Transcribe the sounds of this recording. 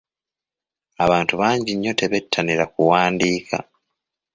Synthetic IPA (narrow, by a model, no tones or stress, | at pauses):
aβaːntuβaːɲɟiɲːo̞te̞βe̞tʰːaniɾakuwaːndiːkʰa̰